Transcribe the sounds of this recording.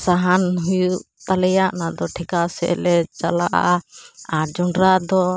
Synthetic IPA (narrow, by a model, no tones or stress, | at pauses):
saɦanɦujuʔ | t̪alɛjaʔnad̪ɔʈʰɛkasɛʔɛ̰lɛt͡ʃalaʔa̰ʔad͡ʒɔɳɖɾad̪ɔ